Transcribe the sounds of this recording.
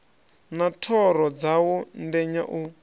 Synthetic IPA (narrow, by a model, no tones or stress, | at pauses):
natʰɔɾɔd͡zawɔndɛɲa̰ʔu